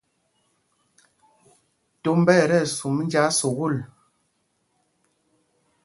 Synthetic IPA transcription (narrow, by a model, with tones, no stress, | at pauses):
to˨˦m˦bɛ˦˨ɾɛ˦˨su˨m˦n̩˦d͡ʒa˦su˨ɣu˦˨l